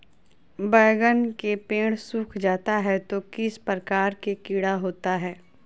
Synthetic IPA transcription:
bɛːɡənkepẽːɽ̃suːkʰd͡ʒaːt̪aɦɛt̪okɪspɾəkaːɾkekiːɽaɦoːt̪aɦɛː

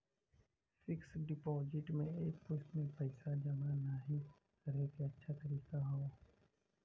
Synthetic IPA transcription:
fɪksɖɪpɔːzɪʈmẽeːkpʊsmẽpɐɪsad͡ʒɐmanaɦi | kɐɾekeɐtːʃʰat̪ɐɾiːkaɦoː

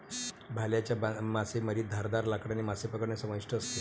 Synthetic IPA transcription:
bʱaljat͡ɕjabamaseməɾiːt̪̚d̪ʱaɾd̪aɾlakɽanimasepəkəɽnesəməjʂʈəəst̪e

